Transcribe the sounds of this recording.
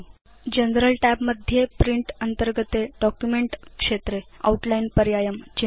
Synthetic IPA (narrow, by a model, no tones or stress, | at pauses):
d͡ʑənɾəlʈæpməd̪ʱːjepɾiɳʈənt̪əɾɡət̪eɖɔkjumeɳʈkʂet̪ɾea̰uʈlainpəɾjajəmt͡ɕe